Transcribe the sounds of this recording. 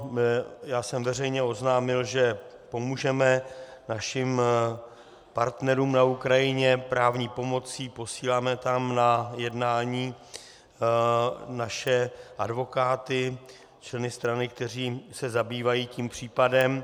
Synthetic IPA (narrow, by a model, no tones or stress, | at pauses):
jaːsɛmvɛrɛjɲɛo̞znaːmɪlʒɛ | po̞muːʒɛmɛnaʃɪm | paɾt̪nɛɾuːmnaukɾajɪɲɛpɾaːvɲiːpo̞mo̞t͡siːpo̞siːlaːmɛt̪amnajɛdnaːɲiː | naʃɛʔadvo̞kaːt̪ɪ | t͡ʃlɛnɪst̪ɾanɪk̚t̪ɛr̝iːsɛzabiːvajiːciːmpr̝̥iːpadɛm